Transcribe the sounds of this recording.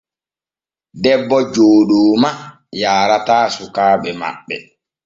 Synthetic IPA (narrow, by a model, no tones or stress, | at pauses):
dɛbːɔd͡ʒoːɗoːma | jaːɾataːsukaːɓɛma̰ɓːɛ